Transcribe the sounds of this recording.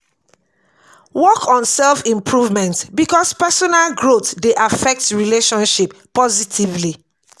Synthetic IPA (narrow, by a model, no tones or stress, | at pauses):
wɔkʰɔ̃nsɛlfĩmpʰɹuvmɛ̃ntbikɔspɛsɔnalɡɹotdeʔafɛk̚tɹileʃɔ̃nʃipː | ɔzitʰivli